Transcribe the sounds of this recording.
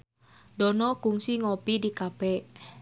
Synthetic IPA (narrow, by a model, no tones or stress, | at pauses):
dɔnɔkuŋsiŋɔpidikab̥ɛʔ